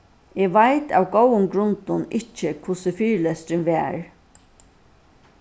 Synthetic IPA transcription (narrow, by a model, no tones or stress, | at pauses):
ɛːɡʋajt̪a̰wɡowʊŋɡɾʊnt̪ʊnɪt͡ʃəkʰvʊsəfiːɹlɛst̪ɾɪnʋɛːɹ